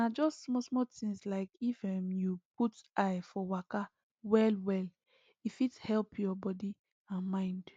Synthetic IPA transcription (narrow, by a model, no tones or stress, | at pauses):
nad͡ʒɔstːmɔsmɔtĩŋslaɪkifɛmjup̚utajfɔwaka | wɛlwɛl | ifithɛlpʰjɔbɔdi | ãnmãɪ̃nd